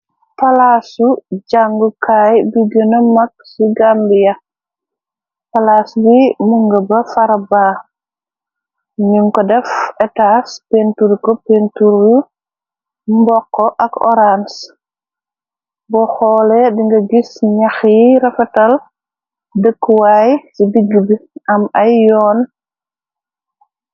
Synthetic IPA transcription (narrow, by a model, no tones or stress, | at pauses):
pɐlasuɟaŋɡukaːjduɡənɐmɐk̚siɡambijɐ | pɐlasbimuŋɡɐbɐfɐɾɐbaː | ɲuŋkɔdɛfɛtaspentuɾkɔpentuɾju | mbɔkːɔʔɐkɔ̰ɾans | bɔxɔːlɛdiŋɡɐɡisɲɐxjiɾɐfɛtɐl | dəkːwajsidiɡːubiʔɐmɐjːɔːn